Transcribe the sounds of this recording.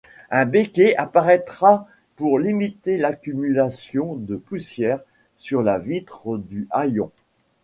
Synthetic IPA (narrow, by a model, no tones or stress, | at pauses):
ɛ̃bekʲeapaʁɛt̪χa | puʁlimit̪elakʲymylasjɔ̃d̪əpusjɛːʁ | syʁlavit̪χəd̪yʔajɔ̰̃